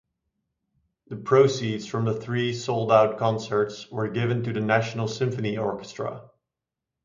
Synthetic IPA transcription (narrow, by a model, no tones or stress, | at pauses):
ðɨpʰɹ̥oʊsidz̥fɹʌ̃mðəθɹisoʊlˠdaʊt̚kʰɑ̃nsə˞tswə˞ɡɪvɨ̃ntɨðɨnæʃn̩l̩ˠsɪ̃ɱfɨniɔɹkɨ̥stɹ̥ə̰